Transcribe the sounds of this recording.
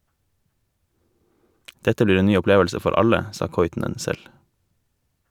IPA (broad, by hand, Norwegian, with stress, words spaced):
ˈdɛtə ˈbliːɾ ˈeːn ˈnyː ʊˈpleːʋəlsə ˈfɔɾ ˈɑʎə ˈsɑː ˈkɔʏtn̩ən ˈsɛl